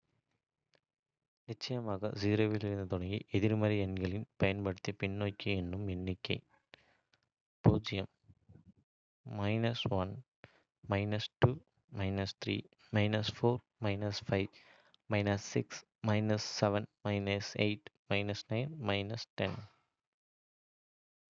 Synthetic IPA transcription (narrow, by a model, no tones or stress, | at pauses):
nɪt͡ʃːɐjɐmaːɣɐ̰ziːɾoːʋɪlɪɾɯnd̪ɐt̪ʊɽɐŋɡiʔɛðɪɾmɐɾiɛnɡɐɭɪnpɐjɐnpɐɽɯt̪ːijɐpɪɳːoːjkːɐɛnːɯmɛnːɪkːɐɪ | puːd͡ʒɪjɐm | mɐɪnɐsʋɐn | mɐɪnɐsʈuː | mɐɪnɐst̪ɾḭː | mɐɪnɐsfoːɾ | mɐɪnɐsfɐɪʋ | mɐɪnɐsːɪks | mɐɪnɐsːɛʋɐnmɐɪnɐsḛɪʈmɐɪnɐsnɐɪnmɐɪnɐsʈɛn